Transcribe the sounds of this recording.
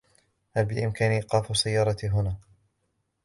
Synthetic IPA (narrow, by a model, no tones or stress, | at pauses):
halbɪʔɪmkaːniqɑːfʊsːajːɑːɾˤɑt̪ɦʊnaː